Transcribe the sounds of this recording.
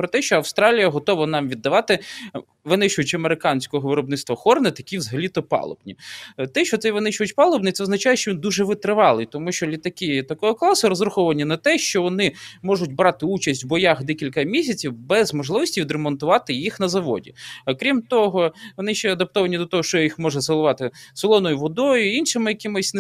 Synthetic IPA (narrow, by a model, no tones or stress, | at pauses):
pɾɔt̪ɛʃt͡ʃɔɐʋst̪ɾɑlʲijɐɦɔt̪ɔʋɐnɑmʋʲid̪ːɐʋɑt̪ɪ | ʋɪnɪʃʊjʊt͡ʃɐmeɾɪkɑnʲsʲkɔɦɔʋɪɾɔbnɪt̪st̪ʋɐxɔrnɐt̪ɐkʲiwzɐɦɐlʲit̪ɔpɑ̰lˠɔ̰bnʲit̪ɛʃt͡ʃɔt̪sɛʋɪnɪʃʊʋjʊt͡ʃʲpɑlˠɔbnɪt̪sɛɔznɐt͡ʃajɛʃt͡ʃɔʋʲind̪uʒɛʋɪt̪ɾɪʋɑlˠɪt̪ɔmuʃt͡ʃɔlʲit̪ɐkɪt̪ɐkɔɦɔklˠɑsʊɾɔzrʊxɔʋɐnʲinɐt̪ɛʃt͡ʃɔʋɔnɪmɔʒʊtʲbɾɑt̪ɪut͡ʃɐsʲtʲwbɔjɑxd̪ɛkʲilʲkɐmʲisʲɐt͡sʲiwbɛzmɔʒlˠɪʋɔsʲtʲiʋʲid̪ɾemɔnt̪ʊʋɑt̪ɪjixnɐzɐʋɔ̰dʲḭɐkɾʲimt̪ɔɦɔʋɔnɪʃt͡ʃɛɐd̪ɐp̚t̪ɔʋɐnʲid̪ɔt̪ɔɦɔʃt͡ʃɔjixmɔʒɛselˠʊʋɑt̪ɪsɔlˠɔnɔjʊʋɔd̪ɔjʊinʃɪmɪjɐkɪmɪsʲn